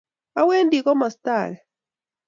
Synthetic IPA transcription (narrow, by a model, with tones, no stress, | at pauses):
a˦we˦ndi˨kɔ˦mɔ˨st̪a˨l